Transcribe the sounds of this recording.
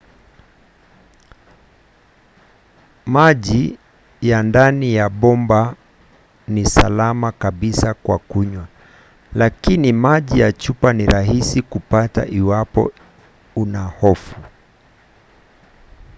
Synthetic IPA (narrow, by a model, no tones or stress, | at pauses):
maʄi | jandanijaɓɔmba | nisalamakaɓisakwa̰kuɲwa | lakinimaʄijat͡ʃupaniɾaɦisikupata̰ʔiwapɔ̰ | unahɔfu